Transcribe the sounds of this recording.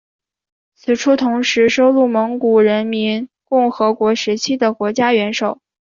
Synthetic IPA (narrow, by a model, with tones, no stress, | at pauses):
t͡sʰɹ̩˨˩ʈ͡ʂʰu˥t̪ʰʊ˧˥ŋʂɻ̩˧˥ʂo˥ʊlu˥˩mɤ˧˥ŋku˨˩ɻə˧˥nmi˧˥nkʊ˥˩ŋxɤ˧˥kwɔ˧˥ʂɻ̩˧˥t͡ɕʰi˥d̪ə˨kwɔ˧˥t͡ɕja˥ɥɛ˧˥nʂo˨˩˦ʊ